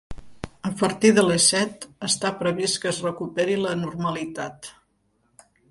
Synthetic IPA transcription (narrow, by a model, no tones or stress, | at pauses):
əpəɾt̪iðələsɛt̪əst̪apɾəβ̞iskəːzrəkupeɾilənurməlit̪at̪